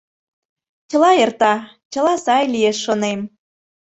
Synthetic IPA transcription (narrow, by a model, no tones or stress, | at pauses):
t͡ɕəlɑert̪ɑ | t͡ɕə̆lɑsɑjlijeʃːonem